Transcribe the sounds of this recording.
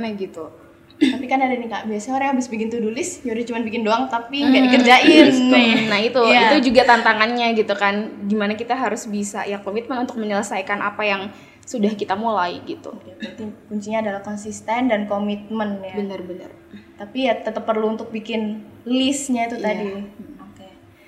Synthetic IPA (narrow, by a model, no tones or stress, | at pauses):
naɡit̪u | t̪apikanadaniŋɡaʔbiasaɲoɾaŋabɪsbikɪnt̪udulɪsjodit͡ʃumanbikɪndoaŋt̪apiŋɡaʔdikərd͡ʒaʔɪnnanahit̪ujit̪ud͡ʒuɡat̪ant̪aŋanɲaɡit̪ukanɡimanakit̪aɦaɾʊsbisa̰jakomit̪̚mənunt̪ʊk̚məɲələsajkanʔapajaŋ | sudahkit̪amulaiɡit̪ṵkabat̪ikuɲt͡ʃiɲaadalahkɔnsist̪ɛndankomit̪̚mənjabənərbənə̰r | t̪apijat̪ət̪əpːərluːnt̪ʊk̚bikɪnlɪsɲait̪uadioke